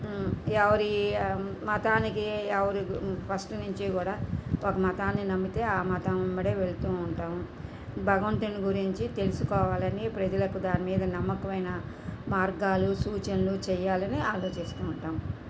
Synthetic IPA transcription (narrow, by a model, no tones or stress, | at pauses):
ɛʋɐɾi | mɐt̪aːnikiɛʋɐɾipʰɐsʈnuɲt͡ʃikuːɽaːokɐmɐt̪aːnːinɐmːit̪e̞ːaːmɐt̪ɐmmːɐɽeːʋe̞ɭt̪uːɳʈaːm | bʱɐɡɐʋɐɳʈuniɡuɾiɲt͡ʃit̪e̞lusukɔːʋaːlɐnipɾɐd͡ʒɐlɐkud̪aːnimiːd̪ɐnɐmːɐkɐʋɐjnɐ | maːɾɡaːlusuːt͡ʃɐnlut͡ʃɛjːaːlɐniaːlo̞ːt͡ʃist̪uːuɳʈaːm